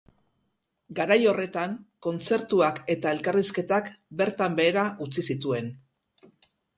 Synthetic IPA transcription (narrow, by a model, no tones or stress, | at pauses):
ɡaɾajo̞re̞t̪aŋko̞nt͡se̞ɾt̪uake̞t̪ae̞lkariske̞t̪akbe̞ɾt̪ambe̞ːɾaʔut͡sisit̪ue̞n